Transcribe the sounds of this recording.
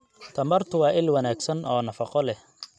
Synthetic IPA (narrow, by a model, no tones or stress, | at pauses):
t̪ʰɐmɐrt̪ʰʊwɑːʔɪlwɐnaːɡsɐnʔɔːnɐfɑqɔlɛh